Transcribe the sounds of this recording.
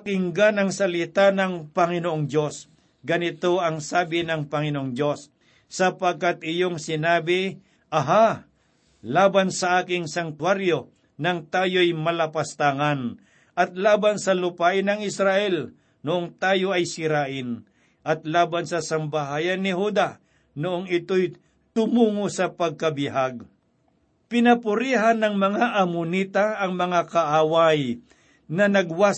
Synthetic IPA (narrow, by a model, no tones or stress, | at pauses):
kɪŋɡanɐŋsɐlɪt̪anɐŋpɐŋɪnoʔoŋd͡ʒjo̞s | ɡɐnɪt̪o̞ʔɐŋsaːbɪnɐŋpɐŋɪnoʔoŋd͡ʒjo̞sː | ɐpɐɡ̚kat̪̚ʔɪjoŋsɪnaːbɪ | ʔɐɦa | laːbansɐʔaːkɪŋsɐnt̪waɾjo | nɐŋt̪aːjojmɐlɐpɐst̪aŋan | ʔɐt̪̚laːbɐnsɐlʊpaːʔɪnɐŋɪsɾaʔɛl | nʊʔoŋt̪aːjo̞ɐjsɪɾaːʔɪn | ʔɐt̪laːbɐnsɐsɐmbaɦaːjɐnːɪhuːd̪a | nʊʔoŋɪt̪oj | t̪ʊmuːŋosɐpɐɡ̚kɐbɪhaɡ | pɪnɐpʊɾiːɦanːɐŋmɐŋaʔɐmʊniːt̪aɐŋmɐŋakɐʔaːwaj | nɐnɐɡwa